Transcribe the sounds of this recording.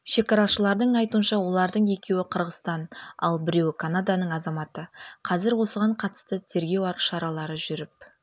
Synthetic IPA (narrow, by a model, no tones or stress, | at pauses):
ʃe̞kɑɾɑʃəlˠɑɾd̪əɴɑjt̪uənʃɑwo̞lˠɑɾd̪əɴe̞kʲe̞wɪqʰəɾʁəst̪ɑnɑ̰lˠbɪɾe̞wɪkʰanad̪anəɴɑzɑmɑt̪əqʰɑzɪɾwo̞səʁɑɴqʰɑt̪ə̥st̪ət̪ʰe̞ɾɡʲe̞wɑɾəʃɑɾɑlˠɑɾəʒʏɾɪp̚